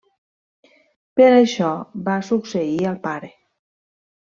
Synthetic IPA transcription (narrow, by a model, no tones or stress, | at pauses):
pəɾəʃɔbasuksəiəlˠpaɾe